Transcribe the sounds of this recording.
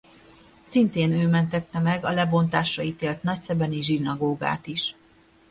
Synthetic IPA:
sint̪eːnøːmɛnt̪ɛt̪ːɛmɛɡɒlɛbo̞nt̪aːʃɒit̪eːlt̪nɒcsɛbɛniʒinɒɡoːɡa̰ːt̪iʃ

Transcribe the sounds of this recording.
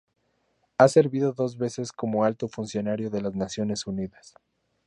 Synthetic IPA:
ase̞ɾβiðo̞ðo̞zβe̞se̞sko̞moalt̪o̞funsjo̞naɾjo̞ðe̞laznasjo̞ne̞suniðas

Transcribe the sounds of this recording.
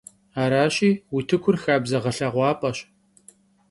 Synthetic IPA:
aːɾaːɕiːwitʰɨkʷʰʊrxaːbzɐʁɐɬɐʁʷɑːpʼɐɕ

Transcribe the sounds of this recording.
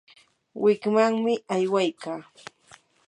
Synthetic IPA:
wɪkmaŋmɪajwajkaː

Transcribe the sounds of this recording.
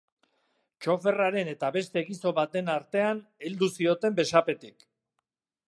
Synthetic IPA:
t͡ʃo̞fe̞raɾe̞ne̞t̪aβe̞st̪e̞ɣiso̞βat̪e̞naɾt̪e̞aneld̪usio̞t̪e̞mbe̞sape̞t̪ik

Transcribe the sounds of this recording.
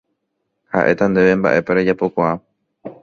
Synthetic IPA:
ha̰ʔe̞t̪and̪e̞ʋe̞mba̰ʔe̞paɾed͡ʒapokʷaa

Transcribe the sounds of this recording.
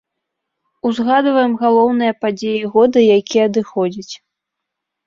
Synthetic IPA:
uzɣad̪vɐjɛmɣalˠɔwnɨjɐpad͡zʲejiɣɔd̪ɨjakʲijɐɐd̪ɨxɔd͡zʲit͡sʲ

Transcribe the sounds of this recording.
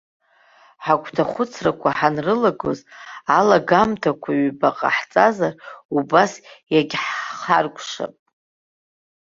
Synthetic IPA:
ħakʷʼʰtʰaχʷʊt͡sʰrakʷʰaħanrɨlaɡo̞̰zalaɡamtʰakʷʰaɥbaqʼa̰ħt͡sʼazarubasjaɡʲħχarkʷʼʂa̰pʼ

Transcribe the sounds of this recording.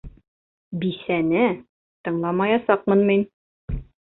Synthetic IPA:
bisænɘ | t̪ɤ̆ɴlˠɑmɑjɑsɑq̚mɤ̆nmin

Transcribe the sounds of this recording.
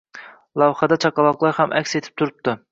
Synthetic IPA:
lˠɑwχɑd̪ɛt͡ʃʰɑqɑlˠɑqlˠɑɾhɑmʔækʲset̪ʰɪ̥p̚t̪ʰuɾɨp̚t̪ʰɨ

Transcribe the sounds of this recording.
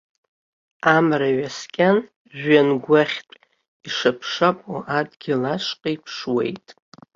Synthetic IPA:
amraɥaskʲʼan | ʒᶣanɡʷaχʲtʼ | iʂapʰʂapʼoʔadɡʲɪlaʂqʼaipʰʂwe̞̰jtʼ

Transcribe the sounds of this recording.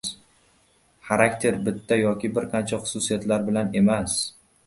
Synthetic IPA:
χaɾakʲt̪ʰe̞ɾbɪt̪ʰːajɒkʲɪbɪɾqʰɑnt͡ʃʰaχʊ̥sʊsijat̪laɾbɪlane̞mas

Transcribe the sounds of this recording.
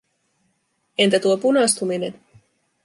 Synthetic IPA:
e̞nt̪æt̪uopunɑst̪umine̞n

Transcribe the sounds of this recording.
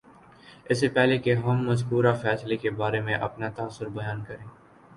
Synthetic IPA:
ɪs̬epɛɦlekeɦɐmːɐzkuːɾafɛːslekebaːɾemẽʔɐ̰pnat̪aːsːʊɾbɐjaːnkɐɾẽː

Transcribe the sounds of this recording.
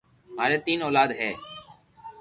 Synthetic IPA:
maːɾeːt̪iːnoːlaːd̪ɦɛː

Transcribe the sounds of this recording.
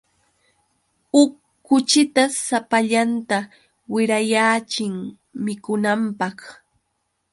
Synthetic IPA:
ʊkː | ʊt͡ʃɪt̪asapaʎant̪a | wɪɾajaːt͡ʃɪŋ | mɪkʊnampɑχ

